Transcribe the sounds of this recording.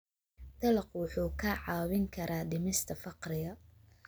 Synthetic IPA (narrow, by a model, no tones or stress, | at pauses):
t̪ɐlɑqwʊħuːkʰɐʕɑːwɪŋkʰɐɾʔaːɖɪmɪst̪ʰɐfɑqɾɪɣɐ